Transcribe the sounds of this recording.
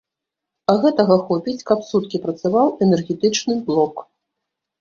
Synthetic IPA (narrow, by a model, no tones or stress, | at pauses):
ɐɣɛt̪ɐɣɐxɔpʲit͡sʲkɐpsut̪kʲipɾɐt̪savawɛnɛrɣʲɛt̪ɨt͡ʂnɨblˠɔk